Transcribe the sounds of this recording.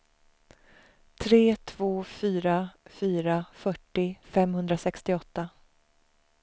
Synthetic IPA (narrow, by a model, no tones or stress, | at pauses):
t̪ʰɾeːt̪ʰvoːfyːɾafyːɾafœʈːɪfɛmhɵnd̪ɾasɛkst̪ɪɔt̪ːa